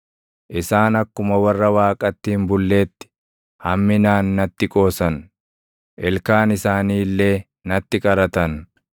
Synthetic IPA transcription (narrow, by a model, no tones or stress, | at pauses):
ʔɪsaːnɐkːʊmɐwɐrːɐwaːkʼɐt̪ːiːmbʊlːe̞ːt̪ːɪ̥ | hɐmːɪnaːnːɐt̪ːɪkʼo̞ːsɐn | ʔɛlkaːnɪsaːniːlːeː | nɐt̪ːɪkʼɐɾɐt̪ɐn